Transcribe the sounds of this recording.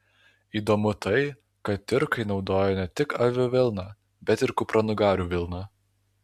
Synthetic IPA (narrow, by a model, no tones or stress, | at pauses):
iːd̪oːmʊt̪ɐɪ | kɐt̪ːʲɪɾkɐɪnɒʊd̪oːjonʲɛt̪ʲɪkɐʋʲʊʋʲɪlˠnɑ | bʲɛt̪ɪɾkʊpɾɐnʊɡɑːɾʲuːʋʲɪlˠnɑ